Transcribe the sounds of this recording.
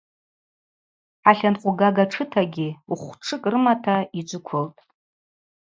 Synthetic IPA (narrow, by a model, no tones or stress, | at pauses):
ʕaɬanqʼʊɡaɡaʈ͡ʂʰɨtʰaɡʲiuχʷʈ͡ʂʰɨkʼrɨmatʰaid͡ʒʷʊkʷʰoltʼ